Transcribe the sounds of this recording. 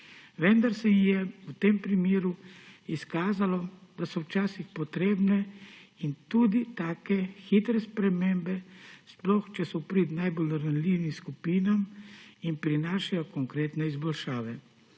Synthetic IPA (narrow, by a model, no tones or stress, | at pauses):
ʋɛnd̪aɾsɛijɛwt̪empɾimeːɾuiskaːzalɔd̪asɔwt͡ʃaːsixpɔt̪ɾeːbnɛint̪uːd̪it̪aːkɛxit̪ɾɛspɾɛmembɛsplɔxt͡ʃɛsɔpɾit̪najbolɾanliwʋimskupiːnaminpɾinaːʃajɔkɔŋkɾeːt̪nɛizbɔlʃaːʋɛ